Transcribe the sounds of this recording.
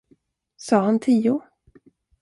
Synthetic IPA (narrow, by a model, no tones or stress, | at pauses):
sɑːhant̪ʰiːʊ